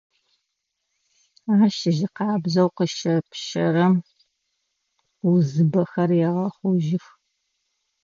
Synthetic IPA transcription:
aːʃɪʒɪqɑːbzɐwqəʃɐpʃɐrɐm | uzɨbɐxɐrjɛʁɐχʷʊʒɪx

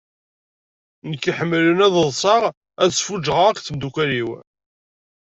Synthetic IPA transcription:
nəkːiħəmːlənæðəðˤsˤɑʁ | æðsfud͡ʒʁəʁkʷθəmd̪ukʷæliw

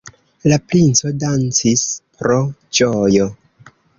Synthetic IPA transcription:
lapɾint͡so̞dant͡sispɾo̞d͡ʒojo

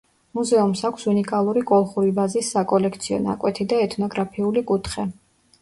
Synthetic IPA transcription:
muzɛumsakʷʰsunikʼalˠuɾikʼɔlˠχuɾibazisːakʼɔlɛkʰt̪sʰiɔ̰na̰kʼwɛt̪ʰid̪aɛt̪ʰnɔɡɾapʰiulikʼut̪ʰχɛ

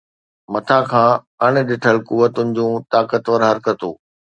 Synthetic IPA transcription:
mɐt̪ʰakʰãː | ɐɽ̃ɪ̆ɗɪʈʰəlkuʋət̪ʊnɪ̆d͡ʑũːt̪aːkət̪ʋəɾɦɐɾkət̪oː

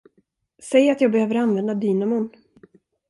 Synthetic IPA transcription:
sɛjat̪jɑːɡ̚bɛhøːvəɾanvɛnd̪ad̪yːnamʊn

